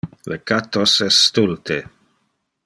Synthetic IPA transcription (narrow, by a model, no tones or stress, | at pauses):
lekat̪ːosɛsːt̪ult̪ʰe